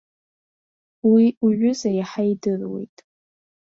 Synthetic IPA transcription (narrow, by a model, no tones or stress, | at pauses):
wiuʒʷᶣʊzajaħaidɨrwe̞̰jtʼ